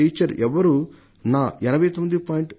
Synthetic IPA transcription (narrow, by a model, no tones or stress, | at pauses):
iːt͡ʃɐɾʔɛʋɐɾu | naːɛnɐbʱɐjt̪omnd̪ipaːjiɳʈ